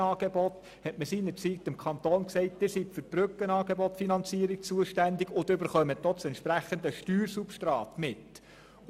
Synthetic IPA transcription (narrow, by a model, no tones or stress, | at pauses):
ɑːɡ̥ebɔt̪ | hɛtməsiːnəɾt͡sit̪ɪmkʰχɑnt̪oːnksɛɪt̚d̥̪ɪːsitfɵɾpɾʏkːənɑːɡ̥ebɔt̪finɑnt͡siːəɾik̚t͡suəʃtændɪɡʊd̪ʏbəɾχœmətɔt͡sɛntʃpɾæχənd̪əʃtyːɾsupʃtɾɑːt̪mɪt̪